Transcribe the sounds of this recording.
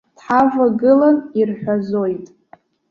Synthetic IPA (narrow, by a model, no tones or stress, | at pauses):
d̥ħavaɡɨlanirħʷᶣazo̞jtʼ